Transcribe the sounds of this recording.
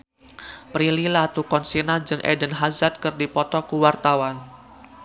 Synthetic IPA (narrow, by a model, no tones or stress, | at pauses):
pɾililat̪ukɔnsinad͡ʒɨŋʔɛ̰dənɦazat̪̚kɨrdipɔt̪ɔkuwart̪awan